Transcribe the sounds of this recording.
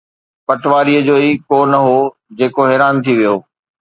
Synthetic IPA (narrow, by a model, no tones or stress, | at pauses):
pɐʈʋaːɾiəd͡ʑoːiːkoːɾnɐɦo | d͡ʑeːkoɦɪːɾaːmt̪ʰiʋijoː